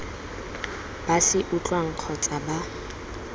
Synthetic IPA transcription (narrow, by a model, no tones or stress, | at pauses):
b̥asɪʔut͡ɬʼwaŋ̩q͡χʰɔt͡sʼaba